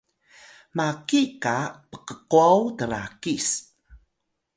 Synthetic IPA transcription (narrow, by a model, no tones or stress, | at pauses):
makikapə̥qəquawtəɾa̰kis